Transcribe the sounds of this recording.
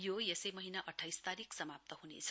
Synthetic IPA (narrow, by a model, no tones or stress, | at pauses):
jojesʌjmʌɦinaʔʌʈʰːajst̪aɾiksʌmap̚t̪ʌɦunḛt͡sʰʌ̥